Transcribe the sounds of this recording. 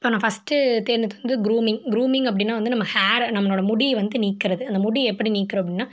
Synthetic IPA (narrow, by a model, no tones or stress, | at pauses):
ɪpːoːnaːfɐsʈɯt̪eːɾnd͡ʒɐt̪ɯʋɐnd̪ɯɡɾuːmɪŋɡɾuːmɪ̃ŋɡɐp̬ːɐɽɪnːaːʋɐnd̪ɯnɐmːɐhaːɾnɐmːɐloːɽɐmʊɽiʋɐnd̪ɯniːkːɪɾɐðɯɐnd̪ɐmʊɽiɛpːɐɽiniːkːɪɾõːɐpːɐɽɪnːaː